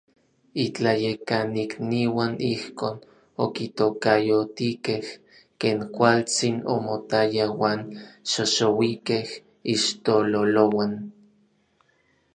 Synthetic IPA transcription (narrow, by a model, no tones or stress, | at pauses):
it͡ɬajekanikniwanihkoːn | o̰kit̪okajot̪ikeh | keːŋkʷalt͡sino̰mot̪ajawaːnʃoʃowikeh | iʃt̪ololowan